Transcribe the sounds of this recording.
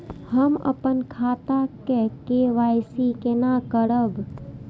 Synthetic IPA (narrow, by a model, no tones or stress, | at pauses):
həmə̰pənkʰaːt̪akekeʋaːɪsikenakəɽəb